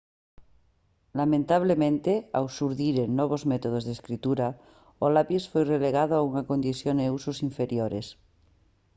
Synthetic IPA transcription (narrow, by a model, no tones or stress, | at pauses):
lamẽnt̪aβ̞lemẽnt̪eawsuɾðiɾenːoβ̞ozmet̪oð̞ozðeskɾit̪uɾa | olapisfojreleɣaðoauŋakond̪iθjoneusosiɱfeɾjoɾes